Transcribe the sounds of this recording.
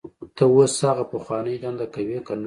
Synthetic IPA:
t̪əwoshɑɣapəxwɑnəjd̪and̪akawekan

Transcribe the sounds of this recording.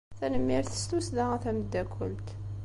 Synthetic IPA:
θænəmːiɾθə̥st̪usd̪ææθæməd̪ːækʰəlt̪

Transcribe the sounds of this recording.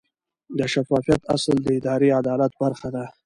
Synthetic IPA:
d̪əʃafɑfijat̪a̰sld̪əɪd̪ɑɾead̪ɑlat̪̚baɾxad̪a

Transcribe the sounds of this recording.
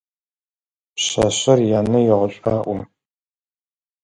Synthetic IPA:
pɕɐɕɐrjaːnɐjɛʁʷɔɕʼaːʔʷʊ

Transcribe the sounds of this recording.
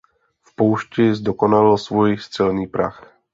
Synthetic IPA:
fpɔʊʃcɛzd̪ɔkɔnalilsʋɔjst͡sɛlniːpɾa̰x

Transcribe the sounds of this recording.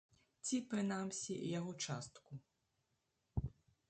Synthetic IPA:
t͡sʲipɾɨnamsʲijaɣɔt͡ʂast̪ku

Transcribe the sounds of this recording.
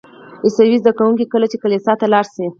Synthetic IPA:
ɪsawizd̪akawuŋk̬ikəlat͡ʃekalisɑt̪alɑɾsi

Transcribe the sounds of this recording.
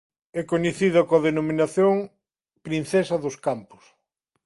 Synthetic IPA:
ɛkoɲeθiðɐkoɐðenominaθjoŋ | pɾinθɛsɐðʊskampʊ̥s

